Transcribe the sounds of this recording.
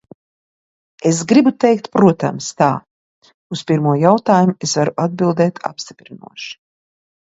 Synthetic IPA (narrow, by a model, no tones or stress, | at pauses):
es̬ɡɾibut̪ɛjk̚t̪pɾuɔt̪a̰mst̪a̰ː | uspʲiɾmuɔjawt̪aːjumuesvaɾuʔad̪̚bilˠd̪ɛːt̪ʰa̰pst̪i̥pɾinṵɔʃi̥